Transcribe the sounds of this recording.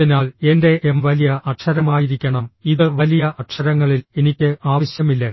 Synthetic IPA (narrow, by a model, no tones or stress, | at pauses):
inaːle̞nde̞ʔemʋɐlijɐʔɐʈʂɐɾɐmaːjiɾikʲːɐɳɐmiðɨʋɐlijɐʔɐʈʂɐɾɐŋːɐɭile̞nikʲːɨʔaːʋɐɕjɐmilːɐ